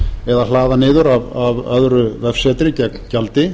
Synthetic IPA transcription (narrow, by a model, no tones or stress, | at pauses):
ɛðalaːðanɪːðʏɾavavœðɾʏvɛfsɛːt̪ɾɪcɛkmcalt̪ɪ